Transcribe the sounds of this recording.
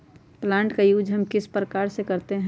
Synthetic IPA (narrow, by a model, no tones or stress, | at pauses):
plãːɳʈkajuːd͡ʒɦəmkɪspɾəkaːɾsekəɾt̪eɦɛ̃